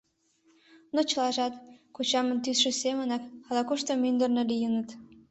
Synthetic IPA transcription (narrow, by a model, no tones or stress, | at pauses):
not͡ɕə̆lɑʒɑt̪kot͡ɕɑmə̆nt̪ysʃĕsemənɑkɑlɑkuʃt̪omynd̪ərnelijənət̪